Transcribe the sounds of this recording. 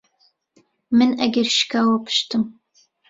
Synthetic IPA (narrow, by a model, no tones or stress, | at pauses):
mɨnɐɡʲɐrʃkʰaːwɐpʰʃtʰɨm